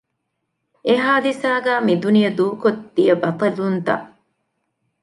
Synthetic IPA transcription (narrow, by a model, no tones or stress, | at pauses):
eɦaːd̪isaːɡæːmid̪unijɐd̪uːkod̪ːijɐbɐt̪ɐlunt̪ɐ̰ʔ